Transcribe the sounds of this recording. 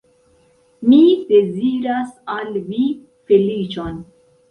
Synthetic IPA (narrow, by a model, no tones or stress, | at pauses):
mid̪eziɾasalvi | felit͡ʃon